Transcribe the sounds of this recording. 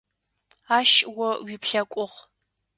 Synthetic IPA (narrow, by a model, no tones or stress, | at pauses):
aːʃwɔwipɬɐkʷʼʊʁ